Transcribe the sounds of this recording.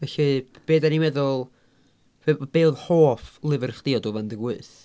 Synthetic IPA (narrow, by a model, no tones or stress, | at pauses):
vɛɬi | b̥eːdanimɛðʊlˠ | v̥ebb̥eːðhoːflˠɪvərχd̥ɪɔdɔvandəɡwɨθ